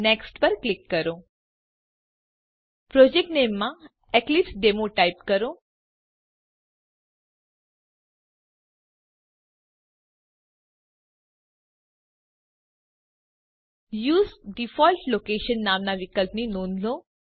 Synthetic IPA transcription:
neksʈpəɾklikːəɾo | pɾod͡ʑek̚ʈnemːa | ɛklipsɖemoʈajipkəɾo | juːsɖifɔlʈlokeʃənːaːmnaʋikəlpəninoːnd̪lo

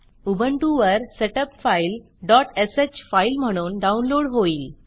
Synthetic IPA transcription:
ubəɳʈuʋəɾseʈəpfail | ɖɔʈeset͡ɕfailm̤əɽ̃uːnɖaunloɽɦoiːl

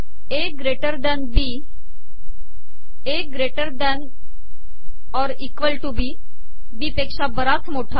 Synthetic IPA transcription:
eɡɾeʈəɾd̪ɛ̃nbi | eɡɾeʈəɾd̪ɛn | ɔɾikʋəlʈubi | biːpekʂabəɾat͡smoʈʰa

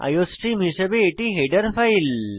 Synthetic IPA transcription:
a̰josʈim̤iɕəbeːʈiɦeɖəɾfail

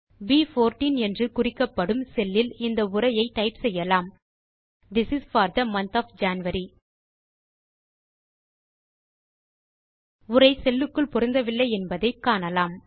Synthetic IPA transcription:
biːfoːɾʈiːnɛndrɯkʊrɪkːɐpːɐɽɯmsɛlːɪlɪnd̪ɐʊrɐjɐɪt̪ɐɪpsɛjːɐlaːm | d̪ɪsɪsfaːɾd̪ɐmɐnt̪aːfd͡ʒaːnʋɐɾi | ʊrɐɪsɛlːɯkːɯɭpɔɾɪnd̪ɐʋɪlːɐɪɛnbɐðɐɪkːaːnɐlaːm

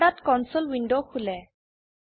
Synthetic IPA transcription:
ɽat̪kɔnsɔlwinɖowkʰulɛ

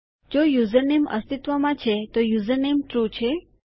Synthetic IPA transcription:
d͡ʒojuzəɾnemə̰st̪it̪ʋamãt͡ʃʰet̪ojuzəɾnemt̪ɾut͡ʃʰe

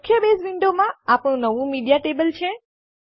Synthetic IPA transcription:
kʰːjəbesʋɪɳɖomãapɽ̃ũnəʋũmiɖijaʈebəlt͡ʃʰe

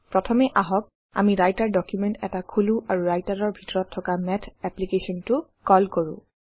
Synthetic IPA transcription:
pɹɔtʰɔmɛʔaɦɔk̚ | a̰miɹajtaɹdɔkjumɛntɛ̰takʰuluʔaɹuɹajtaɹɔɹbʱitɔɹɔtʰːɔkamɛtʰɛplikesɔntʊkɔlkoɹʊ̰̃

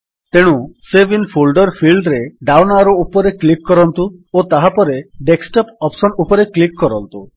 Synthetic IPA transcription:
t̪eɽ̃ũsebinpʰolɖɔɾpʰilɖɾeɖawnaɾɔupɔɾeklikːɔɾɔnt̪uot̪aɦapɔɾeɖeksʈɔpɔpsɔnupɔɾeklikːɔɾɔnt̪u

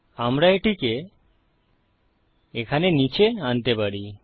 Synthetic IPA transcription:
amɾaeʈike | ekʰanenit͡ɕʰeant̪epaɽi

